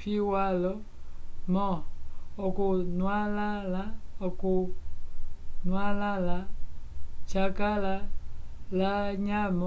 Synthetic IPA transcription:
fiwalɔ | mɔɔkonwalalaɔkuo | nwalala | t͡ʃakala | laɲamɔ

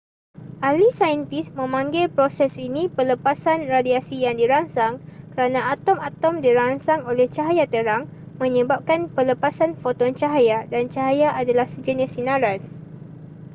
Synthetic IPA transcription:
ʔalisajənt̪ismə̃mãŋɡɪlpɾosɛsinĩpələpasanradiasijaŋdiɾaŋsaŋkəɾanãat̪ɔmat̪ɔmdiɾaŋsaŋolɛht͡ʃaɦajat̪əɾaŋ | mə̃ɲəbap̚kanpələpasanfot̪ɔnt͡ʃaɦajadant͡ʃaɦajaʔadalahsəd͡ʒənisinãɾan

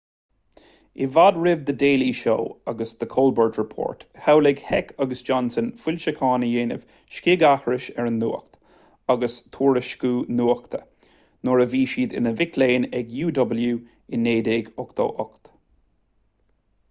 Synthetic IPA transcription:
ɪvadɹɪvd̪ədeːliʃo̰ːaɡəsd̪əkʰoːlbəɹdɹəpʰɔ̰ːɹt̪hawlɛɡhɛkʰaɡəsd͡ʒɔnsənfʊlʲʃəkʰɑːnəjeːnə̰v̥ | ʃkɪɡahɹɪʃɛɹənːṵːkt̪ | aɡəst̪ʰuːɹəʃkuːnuːəkt̪ʰə | nɔɹəviːʃiːd̪ɪ̰nəvɪkʰleːnɛɡjuːdɔbəljuː | ɪnːeːd̪eːɡɔkt̪o̰ːʔɔkt̪

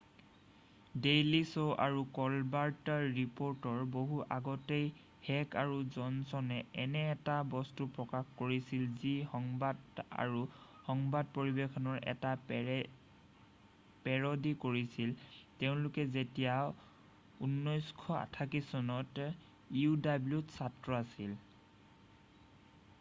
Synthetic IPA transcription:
dejlisoʔaɹukɔlbaɹtaɹipɔɹtɔɹboɦuʔaɡɔtej | hɛkaɹuzɔnsɔnɛɛnɛːtabɔstupɹɔkaxkoɹisilzixɔŋbada̰ɹu | hɔŋbad̚poɹibekʰɔnɔɹɛ̰ta | pɛɹɔdikoɹisilteʊ̃lʊkɛzetija | unːɔjskʰɔa̰tʰakisɔnɔt | iudabljutsatɹɔasil

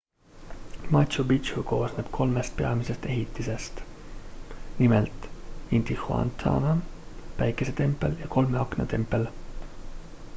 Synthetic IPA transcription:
mɑɕubit͡ʃuko̞ːsneb̥kʰo̞lmest̪̚pe̞ɑmisest̪e̞ɦit̪ːˑise̞st̪ | nimelt̪ˑint̪ixuɑ̰nt̪ʰɑ̰ːnɑpæjkːˑeset̪e̞mpːˑeljɑko̞lmeɑknɑt̪e̞mpːˑe̞l

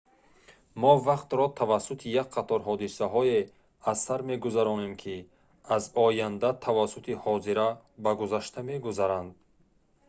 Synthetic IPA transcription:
mɔvaqt̪ɾɔt̪ʰavasːut̪ʰijak̚qʰat̪ʰɔɾɦɔd̪isaɦɔe | azsaɾme̞ɡuzaɾɔnemkʰi | azɔjand̪at̪ʰavasːut̪ʰihɔziɾa | baɡuzaʃt̪ʰame̞ɡuzaɾand̪̚

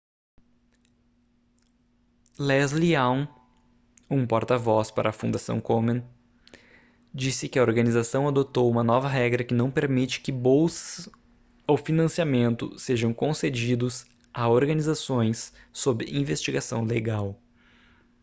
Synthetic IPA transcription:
lɛzliaw̃ | ũpoɾt̪ɐvɔspa̰ɾʔɐːfũd̪asɐ̰̃w̃komẽn | d͡ʒisɪkɪɐoɾɡɐnizasɐ̃w̃ad̪ot̪owũmɐnɔvɐɦɛɡɾɐkɪnɐ̃w̃peɾmit͡ʃɪ̥kɪbowsɐ | owfinɐ̃siamẽnt̪ʊ̰seʒɐ̃w̃kõsed͡ʒid̪ʊz | aoɾɡɐnizasõj̃sːobɪʔĩvest͡ʃiɡasɐ̰̃w̃leɡaw

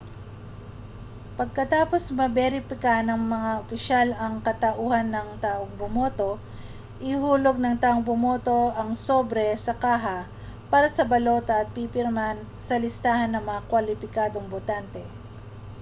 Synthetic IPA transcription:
pɐɡ̚kɐt̪aːpo̞smɐbɛɾɪfɪkanɐŋmɐŋaʔopɪʃalɐŋkɐt̪ɐʔuːhɐnːɐŋt̪aːʔoŋbʊmot̪o̞ | ʔɪhuːlo̞ɡ̚nɐŋt̪aːʔoŋbʊmoːt̪o̞ʔɐŋsobɾɛsɐkaːɦɐ | paːɾɐsɐbɐlo̞ːt̪ɐʔɐt̪̚pipɪɾman | sɐlɪst̪aːhɐnːɐŋmɐŋakwɐlɪpɪkaːd̪oŋbʊt̪ant̪ɛ

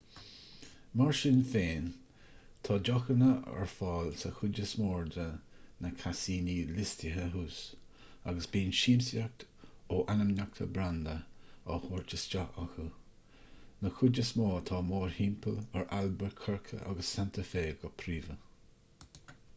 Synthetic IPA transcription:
maɹʃɪnfeːn | t̪ʰɑːd͡ʒɔxənəɛ̰ɹfɑːlsəxʊd͡ʒəsmoːɹd̪ə | nəkʰasiːniːlɪstəɦəɦuːs | aɡəsbiːnʃiːmsjak̚t̪oːʔanəmnak̚t̪ʰə̰bɾand̪əɔhoːɹt͡ʃəst͡ʃaaxu | nəxʊd͡ʒəsmɔːt̪ʰɑːmoːɹhimpʰəlɛɹalbəɹkʰəɹkʰə̰ʔa̰ɡəsːant̪ʰəfeːɡɔpʰɾiːvə

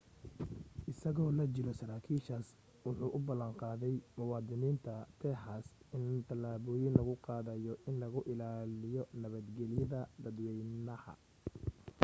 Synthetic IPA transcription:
ʔɪsɐɣɔːlɐt͡ʃɪɾɔsɐɾaːkʰiːʃaːs | wʊħuːʔʊbɐlːɐɴqɑːðɛjmʊwɑːd̪ɪniːnt̪ʰɐt̪ʰɛːħasɪnt̪ʰɐlaːβɔːjɪnlɐɣʊqɑːðɐjɔʔɪnlɐɣʊʔɪlaːlɪjɔnɐβɐd̪ɡɛlɪjɐðɐd̪ɐd̪wɛjnɐhɐ̰

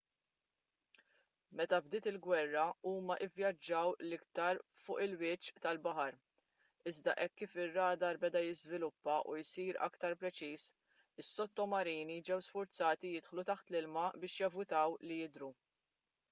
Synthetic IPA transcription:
mɛt̪ɐbd̪ɪːt̪ɪlɡwɛrːɐuːmɐʔɪvjɐd͡ʒːɐwlɪkt̪ɐɾfʊːʔɪlwɪt͡ʃːt̪ɐlbɐħɐɾ | ɪzd̪ɐ̰ʔɛkːiːfɪrːɐːd̪ɐɾbɛd̪ɐjɪzvɪlʊpːɐʔṵjsiːɾɐ̰kt̪ɐɾpɾɛt͡ʃiːs | ɪsːɔt̪ːɔmɐɾiːnid͡ʒɛwsfʊɾt͡sɐːt̪ijɪt̪ħlut̪ɐħt̪lɪlmɐbɪːʃjɐvʊt̪ɐwlijɪd̪ɾu

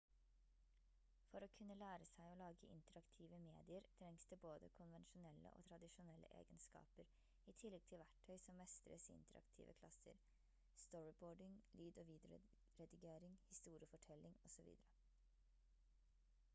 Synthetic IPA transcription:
fɔɾoːkʰʉnːəlæːɾəsæɪoːlɑːɡəʔɪ̰nt̪əɾɑkt̪ʰiːʋəmeːd̪ɪəɾt̪ʰɾɛŋsd̪ɛboːd̪ə̰kʰʊnʋɛnʃʊnɛlːə̰ʔo̰ːt̪ʰɾɑd̪ɪʃʊnɛlːʔə̰ʔḛːɡənskɑ̰ːpəɾ | iːt̪ʰɪlːɛɡ̚t̪ʰɪlʋæʈʰœʏsɔmːɛst̪əɾəsɪ̰nt̪ʰəɾɑ̰kt̪ʰḭːʋə̰kʰlɑ̰sə̰ɾ | st̪ɔɹɪboːɖɪŋlyːd̪oːʋiːd̪əɾ | ɾɛd̪ɑɡeːɾɪŋhɪst̪uːɾɪəfɔʈʰɛlːɪŋɔsɔʋḭːd̪əɾə

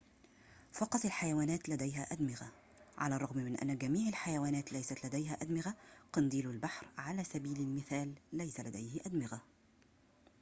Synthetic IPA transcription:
fɑqɑt̪ˤalħajawaːnæːt̪læd̪æjɦæːʔad̪mɪɣa | ʕa̰larˤːɑɣmmɪnʔæ̰nːaɡæmiːʕalħajawaːnæːt̪lajsat̪læd̪æjɦæʔad̪mɪɣaqɑnd̪iːlʊlbaħɾʕalæːsæbiːlɪlmɪθæːlːajsalæd̪æjhɪʔad̪mɪɣa

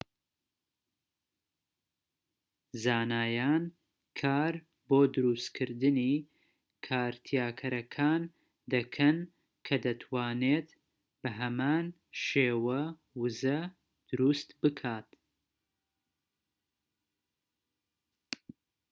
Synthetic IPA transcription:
zaːnaːjaːn | kʰaːɾ | boːd̪ʊɾuːst̪kʰɨɾd̪ɨni | kʰaːɾt̪ʰijaːkʰɐɾɐkʰaːn | d̪ɐkʰɐn | kʰɐd̪ɐt̪ʰwaːneːt̪ | b̥ɨɦɐmaːn | ʃeːwɐ | wɨzɐ | d̪̥ʊɾuːst̪bɨkʰaːt̪

